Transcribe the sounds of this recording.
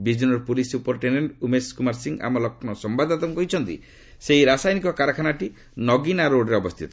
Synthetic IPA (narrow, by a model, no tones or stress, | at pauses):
bid͡ʒunɔɾpulisupɔɾʈeneɳʈumeskumaɾsiŋɡa̰mɔlɔkʰnɔsɔmbad̪at̪ɔmkɔɦit͡ʃʰɔnt̪ḭ | seiɾasajnikɔkaɾɔkʰanaʈi | nɔɡinaɾoɖɾeɔbɔst̪ʰit̪ɔ